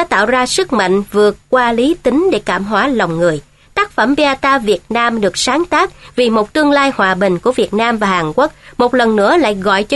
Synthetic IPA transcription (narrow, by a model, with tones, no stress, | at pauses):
aː˧˥t̪a̰ː˧˨wzaː˧sɨ˦˥k̚ma̰˧˨jŋ̟vɨ˨˩əkkwaː˧li˨˦t̪i˨˦ŋɗe˧˩kaː˧˩mɦwaː˨˦la˨˩wŋ͡mŋɨ˨˩əj | t̪aː˦˥k̚fə˧˩mɓi˧a˧t̪aː˧vi˨˩ət̚naː˧mɗɨ˨˩ək̚saː˨˦ŋt̪aː˦˥k̚vi˨˩mo˨˩t̚t̪ɨ˧əŋlaː˧jhwaː˨˩ɓï˨˩ŋ̟ku˧˩əvi˨˩ət̚naː˧mvaː˨˩haː˨˩nkwk̚mo˨˩t̚lə˨˩nːɨ̰˧˥əla̰ː˧˨jɣɔ̰˧˨jt͡ɕ